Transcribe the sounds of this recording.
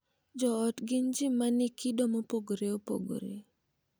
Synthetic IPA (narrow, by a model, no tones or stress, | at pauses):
d͡ʒɔːtɡɪnd͡ʒimːanɪkʰidɔmopoɡoɾeopo̰ɡo̰ɾḛ